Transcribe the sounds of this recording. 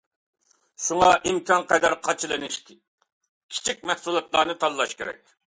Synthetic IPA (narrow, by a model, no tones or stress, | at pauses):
ʃuŋɑʔimkʰʲɑnqɛd̪ɑɾqʰɑt͡ʃʰilˠɨnɪʃʲ | kʲʰi̥t͡ʃʰik̚ʲmɛhsulˠɑt̪lˠɑːnɨt̪ʰɑlːˠɑʃkʲeɾɛ̰kʲ